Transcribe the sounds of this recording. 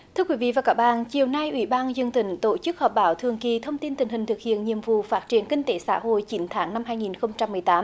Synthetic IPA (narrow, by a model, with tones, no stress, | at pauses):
t̪ʰɨ˧əkwi˨˦vḭ˧˨vaː˨˩kaː˦˥k̚ɓa̰ː˧˨nt͡ɕi˨˩əwna˧jʔwi˧˦ɓaː˧nzə˧ŋt̪ï˨˩˦ŋ̟t̪o˧˩t͡ɕɨ˦˥k̚hɔː˨˩p̚ɓaː˨˦wt̪ʰɨ˨˩əŋki˨˩t̪ʰə˧wŋ͡mt̪i˧nt̪ï̟˨˩hi˨˩ŋ̟t̪ʰɨ˨˩k̚hḭ˧˨ənɲḭ˧˨əmvṵ˧˨faː˦˥t̚t͡ɕi˧˩ənkï˧ŋ̟t̪e˨˦sa̰ː˧˥ɦo̰˧˨jt͡ɕi˨˦nt̪ʰaː˨˦ŋna˧mɦaː˧jŋi˨˩nxə˧wŋ͡mt͡ɕa˧mːɨ˨˩jt̪aː˨˦m